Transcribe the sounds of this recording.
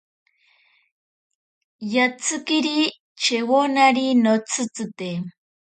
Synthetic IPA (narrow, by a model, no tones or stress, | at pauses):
jat͡sɨkiɾi | t͡ʃewonaɾinot͡sɨt͡sɨt̪e